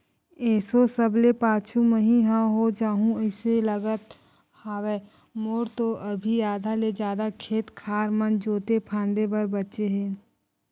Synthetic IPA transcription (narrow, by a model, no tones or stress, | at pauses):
ɛːsosəblepaːt͡ʃʰuməɦĩɦaɦod͡ʒaːɦũəɪseləɡət̪ | haːwɛː | moːɾt̪oʔəbʱijaːd̪ʱaled͡ʒjaːd̪akʰeːt̪kʰaːɾmənd͡ʒoːt̪epʰãːnd̪ebəɾbətːʃeɦɛ̃ː